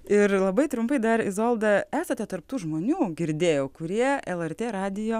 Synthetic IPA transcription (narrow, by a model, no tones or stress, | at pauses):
ɪrlˠɐbɐɪt̪ɾʊmpɐɪd̪ɐɾɪzoːlˠd̪ɐæːsɐt̪ʲɛt̪ɐɾp̚t̪uːʒmoːnʲuːɡʲɪɾʲd̪ʲeːjoːkʊɾʲiɛɛlˠɛrʲt̪ʲeːɾɑːd̪ʲɪjoː